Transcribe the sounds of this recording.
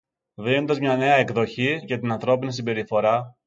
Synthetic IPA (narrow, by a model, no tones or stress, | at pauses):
ðinond̪ɐzmɲɐne̞ɐekðo̞çicet̪inɐnθɾo̞pinisimbe̞ɾifo̞ɾɐ